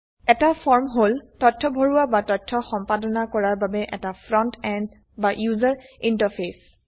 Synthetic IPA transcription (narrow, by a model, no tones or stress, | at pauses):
ɛtafʰɔɹmɦoltɔtʰːɔbʱoɹuabatɔtʰːɔxɔmpadɔnakɔɹaɹbabɛʔɛtafʰɹɔntɛnd | baʔjuzaɹintaɹpʰes